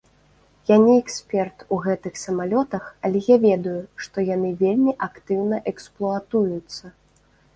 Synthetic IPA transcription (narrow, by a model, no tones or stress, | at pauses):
janʲiɛksʲpʲɛrt̪uɣɛt̪ɨxsɐmalʲɔt̪ɐxɐlʲɛjavʲɛd̪ujuʂt̪ɔjanɨvʲelʲmʲiʔakt̪ɨwnɐʔɛksplˠuat̪ujut̪sːɐ